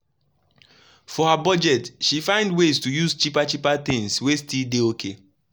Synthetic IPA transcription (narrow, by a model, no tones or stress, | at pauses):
fɔhabɔd͡ʒɛtʃifãɪ̃ndweztujuzt͡ʃipat͡ʃipat̪ɪ̃ŋswestildeokʰe